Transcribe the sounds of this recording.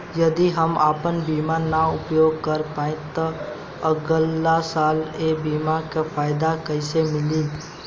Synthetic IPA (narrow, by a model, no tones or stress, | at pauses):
jəd̪iɦəmaːpənbiːmanaʊpjoːɡ̚kəɾpaːẽt̪ɔ | əɡəlːasaːlebiːmakapʰaːɪd̪akəɪsemɪli